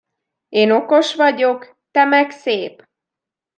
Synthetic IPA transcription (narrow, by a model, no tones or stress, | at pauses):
eːno̞ko̞ʃʋɒɟo̞k | t̪ɛmɛkseːp